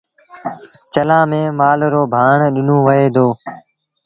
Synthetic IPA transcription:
t͡ʃəlãːmẽːmaːlɾoːbʱaːɳɗɪnõːʋəɦeːd̪oː

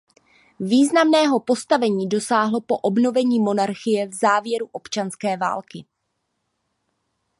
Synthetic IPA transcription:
viːznamnɛːɦo̞po̞st̪avɛɲiːdo̞saːɦlo̞po̞ʔo̞bno̞vɛɲiːmo̞naɾxɪjɛvzaːvjɛɾuʔo̞pt͡ʃanskɛːva̰ːlkɪ

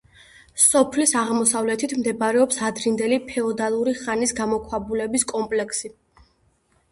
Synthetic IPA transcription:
sɔpʰlisaʁmɔsavlɛt̪ʰit̪ʰmd̪ɛbaɾɛɔpsad̪ɾind̪ɛlipʰɛɔd̪alˠuɾiχanisɡamɔkʰwabulɛbiskʼɔmpʼlɛkʰsi

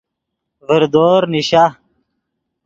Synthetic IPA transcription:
vəɾd̪oːɾniɕa

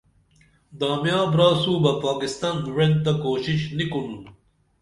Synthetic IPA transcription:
d̪aːmjaːbɾaːsuːbɐpaːkist̪anwẽn̚t̪akoːɕiɕnikunu

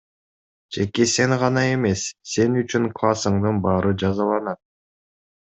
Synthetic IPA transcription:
d͡ʒe̞kese̞ŋʁɑnɑe̞me̞sːe̞nyt͡ʃyŋklˠasɯɴd̪ɯnbɑːɾɯd͡ʒɑzɑlˠɑnɑt̪̚

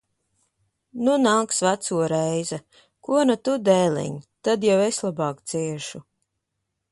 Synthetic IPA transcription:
nunaːksvat̪suɔɾɛjza | kuɔnat̪ud̪ɛːlʲɛ̰ɲt̪ad̪jaweslˠabɑːkt̪sʲiɛʃu

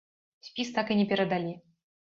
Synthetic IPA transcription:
sʲpʲist̪akɨnʲɛpʲɛɾɐd̪alʲi

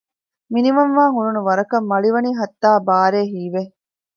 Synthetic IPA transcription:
minimɐmʋaːŋuɾunuʋɐɾɐkɐmːɐɭiʋɐniːɦɐt̪ːaːbaːɾeːɦiːʋe

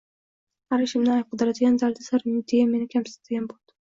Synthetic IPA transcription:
aɾɪʃɪmnɪajp̚qʰɨd̪ɪɾad̪ɪɡʲanzald̪asaɾmd̪ejame̞nɪkʲʰamsɪ̥t̪ʰad̪ɪɡʲanbolˠd̪̥ɪ̥

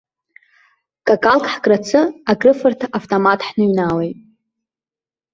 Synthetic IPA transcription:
kʼakʼalkʼħɡʼrat͡sʰɨaɡrɨfɨrtʰaʔaftʼomatʰʼħnɨɥnawejtʼ

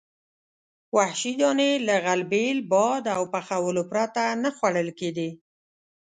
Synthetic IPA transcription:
wahʃid̪ɑnelaɣalbelbɑd̪awpaxawəlopɾat̪anəxwaɽəlkeɡ̪i

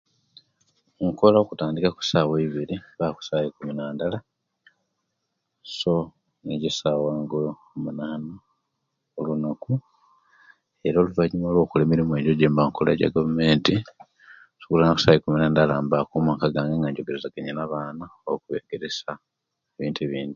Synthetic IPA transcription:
ŋko̞laokutaːndikaku̥saːweiβiɾiβaku̥saːjikuminaːndala | so̞ | eɟisawaːŋɡo | munaːna | olunaku | e̞ɾoːluvaɲimoːlwokule̞miɾimwe̞ɟoɟeːmbaŋkola̰ɟa̰ɡavume̞ːnti | su̥kulanakusajikuminaːndalaːmbakumaŋkaɡaːŋɡaŋɡaɲɟoɡe̞ɾezaɡeɲenaβaːnaokuβḛːɡe̞ɾe̞sa | eβiːntueβiːndi

